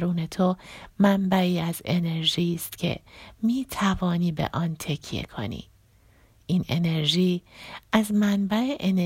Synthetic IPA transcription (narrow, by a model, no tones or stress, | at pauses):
ɾuːne̞t̪ʰomæmbæiːæze̞ne̞ɾʒiːst̪cʰe̞̰miːt̪ʰævɒːniːbḛʔɒnt̪ʰe̞cʰjḛkʰo̰nḭː | ʔiːnene̞ɾʒiːʔæzmænbæeʔen